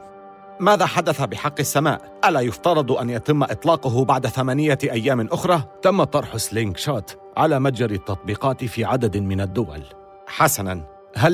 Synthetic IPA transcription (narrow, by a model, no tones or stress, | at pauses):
maːðaːħad̪aθabɪħɑqːɪsːama̰ːʔ | ʔalaːjʊft̪ɑɾˤɑd̪ˤʔanjat̪ɪmːʔɨt̪ˤlɑːqʊɦʊbaʕd̪aθamaːnɪjaʔajːaːmɪnʔʊxɾˤɑːt̪amːat̪ˤːɑɾˤħʊslɪŋɡʃaːt̪ | ʕa̰laːmad͡ʒaɾɪt̪ːɑt̪̚ˤbiːqɑːt̪ɪfiːʕad̪ad̪mɪnad̪ːʊwa̰l | ħasanan | ɦa